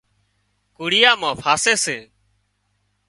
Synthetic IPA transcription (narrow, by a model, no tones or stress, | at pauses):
kuːɽɪjaːmãːpʰaːseːseː